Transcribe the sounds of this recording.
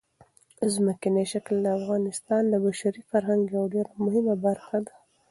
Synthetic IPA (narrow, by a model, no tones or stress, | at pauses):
zməkɪneʃakld̪əafɣɑnɪst̪ɑnd̪əbaʃaɾifaɾɦaŋɡjawɖeɾamʊhɪmabaɾxad̪a